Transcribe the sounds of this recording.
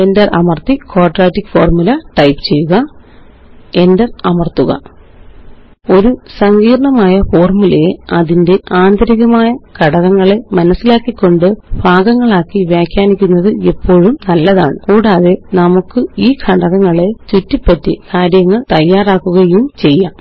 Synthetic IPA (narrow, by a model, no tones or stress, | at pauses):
endɐrɐmɐrt̪ikoːʈraːtːikːfo̞ːrmulɐʈɐjpɨ̥t͡ɕe̞jːuɣɐ | e̞ndɐrɐmɐrt̪uɣɐ̰ | o̞ɾusɐŋɡiːɾɐɳɐmaːjɐfo̞ːrmule̞ɐðinde̞ʔaːnd̪ɐɾiɣɐmaːjɐkʰɐɽɐɣɐŋːɐɭe̞mɐnɐsːilaːkːikːo̞ɳɖɨbʱaːɡɐŋːɐɭaːkːiʋjaːkʰʲjaːnikʲːunːɐðɨepːo̞ːɻumnɐlːɐðaːɳɨkuːɽaːðe̞nɐmukːɨiːkʰɐɽɐɣɐŋːɐɭe̞t͡ɕutːipːɐtːɨ̰kaːɾjɐŋːɐɭt̪ɐjːaːraːkːuɣɐjumt͡ɕe̞jːa